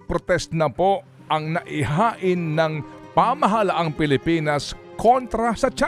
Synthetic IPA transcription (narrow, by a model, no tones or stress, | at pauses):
pɾot̪ɛst̪nɐpo | ʔɐŋnɐʔɪɦaːʔɪnːɐŋpamɐɦɐlaʔaŋpɪlɪpinɐskʰont̪ɾɐsɐt͡ʃa